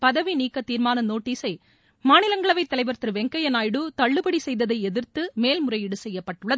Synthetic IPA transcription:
pɐðɐʋiniːkːɐt̪ːiːɾmaːnɐnoːʈːiːsɐɪ | maːnɪlɐŋɡɐɭɐʋɐɪt̪ːɐlɐɪʋɐɾt̪ɪɾɯʋɛŋkɐjɐnaːjɽɯt̪ɐɭːɯbɐɽisɛjðɐðɐɪɛðɪɾt̪ɯmeːlmʊrɐjɪɽɯsɛjːɐpːɐʈːɯɭːɐð

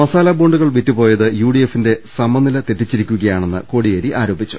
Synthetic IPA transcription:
mɐsaːlɐbo̞ːɳɖuɣɐɭʋitːupo̞ːjɐðɨjuːɽiefːinde̞sɐmːɐnːilɐt̪eʈːit͡ɕːiɾikʲːuɣɐjaːɳe̞nːɨ̰ko̞ːɽijeːɾiʔaːɾo̞ːbit͡ɕːu̥

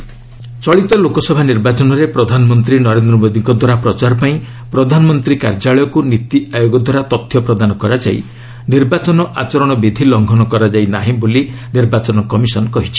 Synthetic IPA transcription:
t͡ʃɔɭit̪ɔlokɔsɔbʱaniɾbat͡ʃɔnɔɾepɾɔd̪ʱanɔmɔnt̪ɾinɔɾend̪ɾɔmod̪iŋkɔd̪ʱwaɾapɾɔt͡ʃaɾɔpaĩ | pɾɔd̪ʱanɔmɔnt̪ɾika̰ɾd͡ʒaɭɔjɔkunit̪iʔajoɡɔd̪ʱwaɾat̪ɔt̪ʰːjɔpɾɔd̪anɔkɔɾad͡ʒa̰ḭ | niɾbat͡ʃɔnɔʔa̰t͡ʃɔɾɔɽ̃ɔbid̪ʱilɔŋɡʱɔnɔkɔɾad͡ʒajnaɦĩboli | niɾbat͡ʃɔnɔkɔmisɔnɔkɔɦit͡ʃʰi̥

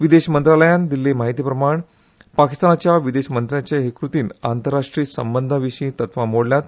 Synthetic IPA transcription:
ʋid̪eɕmənt̪ɾaləjãnd̪ilːemaɦit̪iːpɾəmaɳ | pakist̪anat͡ɕjaʋid̪eɕmənt̪ɾjat͡ɕeɦekɾut̪iːna̰nt̪əɾːaʂʈɾiːsə̰mbənd̪ʱəʋiɕiːt̪ət̪ʰʋamoɽljat̪

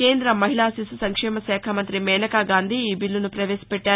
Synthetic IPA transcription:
ke̞ːnd̪ɾɐmːɐɦiɭaːsisusɐŋkʂɛːmɐsɛːkʰɐmɐnt̪ɾimɛːnɐkaɡaːnd̪ʱiiːbilːunupɾɐʋeːsi̥pɛʈːaː

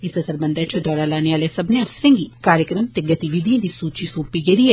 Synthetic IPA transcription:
ɪsɐzəɾbɐ̃nd̪at͡ʃʰd̪ɔːɾaːlaːneʋaːlesɐbneɐɾsɾẽːŋɡikaːɾjəkɾəmt̪eɡɐt̪iʋid̪ʱijãd̪isuːt͡ʃisoːpiɡeɾiɛ

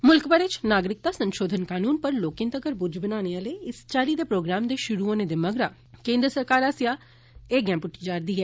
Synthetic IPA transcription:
mʊlkbəɾɪt͡ʃnaːɡɾɪk̚t̪aːsə̃nʃoːd̪ʱənkaːnuːnpəɾloːkɪ̃ːnt̪əɡəɾbʊd͡ʒbənaːneːələiːɪst͡ʃaːliːd̪eːpɾoːɡɾaːmd̪eːʃʊɾuːoːneːd̪eːməɡɾaː | kẽːnd̪ɾəsəɾkaːɾaːsɪjaː | eːɡɛ̃ːmpʊʈʰːiːd͡ʒaːɾd̪iːɦɛː

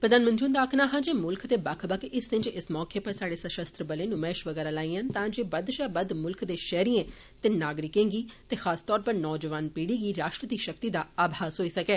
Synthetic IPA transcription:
pɾəd̪aːnmənd͡ʒuːnd̪aːkʰnaːɦãːd͡ʒeːmʊlkʰt̪eːbəkʰbəkɪsɪ̃nd͡ʒɪsmɔːkeːpəɾsaːɽeːsəʃəst̪ɾəbəlẽːnũːmɛːʃʋəɡɛːɾaːlaːiːə̃ːnt̪ãːd͡ʒeːbəd̪ʃaːbəd̪mʊlkʰd̪eːʃɛːɾiːẽː | t̪eːnaːɡɾɪkẽːŋɡiːt̪eːxʰaːst̪ɔːɾpəɾnɔːd͡ʒəʋaːnpiːɽiːɡiːɾaːʃʈɾəd̪iːʃək̚t̪iːd̪aːaːbʱaːzɦoːiːsəkɛː

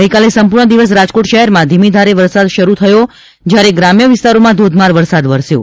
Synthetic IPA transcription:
əjkalesəmpuɾɳəd̪iʋəs̬ɾad͡ʒkoʈʃəɦɛɾmãd̪ʱimid̪ʱaɾeʋəɾsad̪ʃəɾut̪ʰəjo | d͡ʒjaɾeɡɾamjəʋɪst̪aɾomãd̪ʱod̪maɾʋəɾsad̪ʋəɾsjo̰

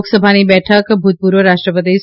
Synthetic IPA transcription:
ksəbʱaːnibɛːʈʰəkbʱut̪̚puːɾʋəɾaːʃʈɾəpɾəd̪eːs

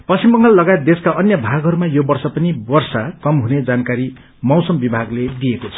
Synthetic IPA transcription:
pʌst͡simbʌŋɡalːʌɡajet̪̚d̪eskaʔʌnjʌbʱaɡɦʌɾumajobʌrsʌpʌnibʌrsakʌmɦuned͡zankaɾi | mʌwsʌmbibʱaɡled̪iekot͡sʰʌ̥

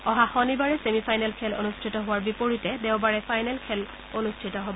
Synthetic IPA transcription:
ɔɦaxɔnibaɹɛsemipʰajnɛlkʰɛlo̰nustʰitɔɦʊwaɹbipoɹitɛdɛʊ̃baɹɛpʰajnɛlkʰɛl | onustʰitɔɦobɔ

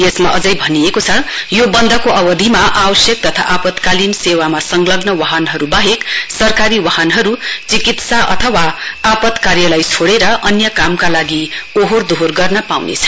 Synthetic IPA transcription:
jesmaʌd͡zʌjbʱʌnijekot͡sʰʌjobʌnd̪ʱʌkoʌbʌd̪ʱimaʔawʌsjʌk̚t̪ʌt̪ʰa̰ʔapʌt̪kalinsewamasʌŋɡlʌɡnʌwaɦʌnɦʌɾubaɦeksʌrkaɾiwaɦʌnɦʌɾut͡sikit̪saʔʌ̰t̪ʰʌwaapʌt̪karjʌlajt͡sʰoɽeɾʌʔʌnjʌkamkalaɡioɦord̪ʱorɡʌrnʌpawnḛt͡sʰʌ̥

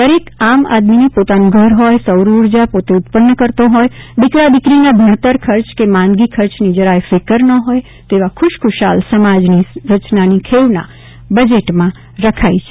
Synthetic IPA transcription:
d̪əɾikama̰d̪minipot̪anũɡʱəɾɦojsəwɾuɾd͡ʒapot̪eʊt̪pənːəkəɾt̪oɦojd̪ɪkɾad̪ɪkɾinabʱəɾt̪əɾkʰəɾt͡ʃkemãnɡikʰəɾt͡ʃnid͡ʒəɾaefekəɾnəɦoj | t̪eʋakʰʊʃkʰʊʃa̰lsəmad͡ʒniɾət͡ʃnanikʰeʋnã̰ | bəd͡ʒeʈmã | ɾəkʰajt͡ʃʰe̥

